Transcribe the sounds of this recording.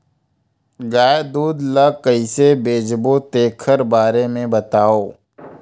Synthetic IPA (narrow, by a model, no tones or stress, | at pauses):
ɡaːd̪uːd̪ləkəisebeːd͡ʒbot̪eːkʰəɾbaːɾemẽbɐt̪aːoː